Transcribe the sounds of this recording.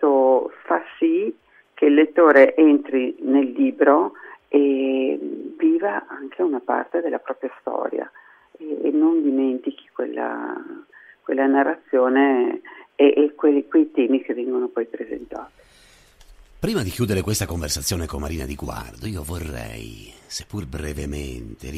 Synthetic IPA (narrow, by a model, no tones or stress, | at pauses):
ofasi | k̟ʰeilːet̪ːoːɾeʔent̪ɾinelːiːbɾoe | viːvaaŋkʰeunapa̰rt̪ed̪elːapɾɔːpɾjast̪ɔ̰ːɾja̰ | eːnːond̪iment̪ik̟i̥kwḛlːa̰ | kwelːanarat̪sːjoːne | eʔːkwekwejt̪ɛːmik̟evɛŋɡonopɔjpɾezḛnt̪aːt̪i̥ | pɾiːmad̪ikjuːd̪eɾekwest̪akoɱversat̪sːjoːnekomːaɾiːna̰d̪iɡwa̰rd̪oiːovorːɛ̰jsepːurbɾevement̪ḛ